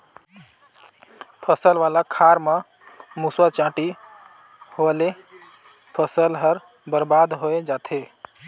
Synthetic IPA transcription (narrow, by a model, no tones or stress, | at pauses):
pʰəsəlʋalakʰaɾmə | muswat͡ʃãʈi | hole | pʰəsəlɦəɾ | bəɾbad̪ɦoed͡ʒat̪ʰe